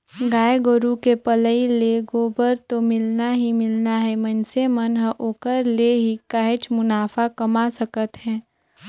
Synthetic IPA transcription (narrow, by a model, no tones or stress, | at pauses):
ɡaːjɡoɾukepələileɡoːbəɾt̪omɪlnaɦimɪlnaɦɛmənsemənɦəʔoːkəɾleɦikaɦet͡ʃmʊnaːfakɐmasəkət̪ɦɛ̃ː